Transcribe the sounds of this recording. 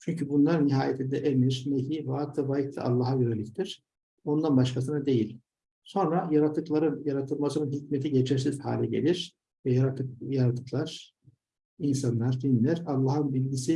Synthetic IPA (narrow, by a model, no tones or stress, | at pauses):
t͡ʃʰyɲcʰybunlˠaɾɯniɦaːjet̪ʰind̪ɛʔemiɾmeɦivaːt̪ʰɯvajit̪ʰa̰ʔa̰lˠːaːɦajøɾelʲict̪ʰiɾ̥ | o̞nd̪anbaʃkʰas̬ɯnad̪e̞jilʲ | so̞nɾajaɾat̪ʰːɯklˠaɾɯnjaɾat̪ʰɯlˠmasɯɾɯnɦicmet̪ʰiɟet͡ʃʰɛɾsiz̥ha̰ːlʲɛɟe̞̰lʲiɾ̥ | vɛjaɾat̪ɯkjaɾat̪ʰɯ̥klˠaɾ̥ | insanlˠaɾd̪inlʲæɾalˠːaːɦɯnbilʲɟisi